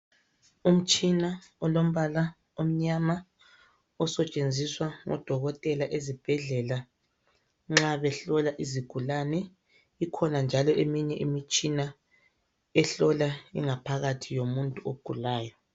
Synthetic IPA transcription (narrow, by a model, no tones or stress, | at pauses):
um̩t͡ʃʼinaɔlom̩βala | om̩ɲama | ɔsɛt͡ʃʼend͡zʱiswaŋɔ̰d̥ʱɔɣɔtʼɛlaʔezib̥ʱɛɮɛla | ŋ͡ǁaβɛɬɔlaʔiziɡ̥ʱulanɛ | ikʰɔnand͡ʒʱalɔemiɲɛʔimit͡ʃʼina | ɛɬɔlaḭŋapʰaɣatʰijomuntʼuoɡ̥ʱulaːjɔ